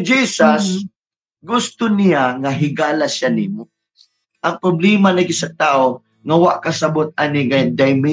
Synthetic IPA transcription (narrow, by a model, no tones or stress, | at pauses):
d͡ʒiːsas | ɡʊst̪ʊnɪjaŋaɦɪɡaːlaʃaniːmo | ʔɐŋpɾʊblɛːmanɐɡɪsɐt̪aːʔo | ŋɐwaʔkasɐbot̪̚anɪɡad̪ajmɪ